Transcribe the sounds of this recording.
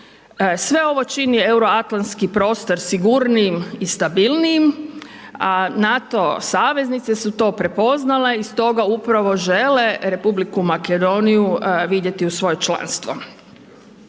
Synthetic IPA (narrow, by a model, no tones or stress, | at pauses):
sʋe̞o̞ʋo̞t͡ʃiniewɾo̞at̪lanskipɾo̞ːst̪oɾsiɡuɾnimist̪abilˠnijim | anat̪o̞saːʋe̞znit̪sesut̪o̞ːpɾe̞po̞znale̞ist̪o̞ɡaupɾaʋo̞ʒeleɾe̞publikumaked̪o̞nijuʋid̪je̞t̪iusʋo̞jot͡ʃla̰ːnst̪ʋo